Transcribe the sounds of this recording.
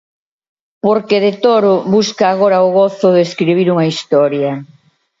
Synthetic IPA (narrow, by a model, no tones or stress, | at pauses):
poɾkeðet̪oɾʊβuskaːɣoɾɐoɣoθʊðeskɾiβ̞iɾuŋɐist̪ɔɾjɐ